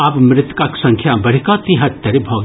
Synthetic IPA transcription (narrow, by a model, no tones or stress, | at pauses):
aːpmɾɪt̪kaksɐ̃ŋkʰjabɐɽ̤ikat̪iɦɐt̪t̪ːɐɾibʱɔːɡ